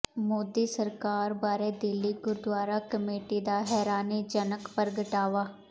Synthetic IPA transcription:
moːd̪iːsəɾkaːɾbaːɾed̪ɪlːiɡʊɾd̪waːɾakəmeːʈid̪aɦɛːɾaːnid͡ʒənəkpəɾɡəʈaːʋaː

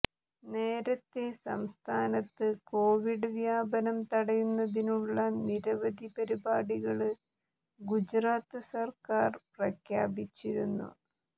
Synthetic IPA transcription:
ne̞ːɾɐt̪ːesɐ̰mst̪ʰaːnɐt̪ːɨko̞ːʋiɖɨʋjaːbɐnɐmt̪ɐɽɐjunːɐðinuɭːɐniɾɐʋɐd̪ʱipɐɾibaːɽiɣɐɭɨ | ɡud͡ʑraːt̪ːɨsɐrkaːrprɐkʰja̰ːbit͡ɕːiɾunːṵ

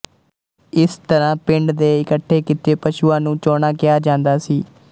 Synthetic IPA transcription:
ɪst̪əɾãːpɪ̃ɳɖd̪eːɪkəʈʰːeːkit̪eːpəʃuːãːnũːt͡ʃoːɳaːkɪjaːd͡ʒãːnd̪aːsiː

